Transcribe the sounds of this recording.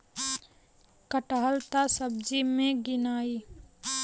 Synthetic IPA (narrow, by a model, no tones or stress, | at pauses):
kəʈəɦəlt̪asəb̚d͡ʒimẽɡɪnaːiː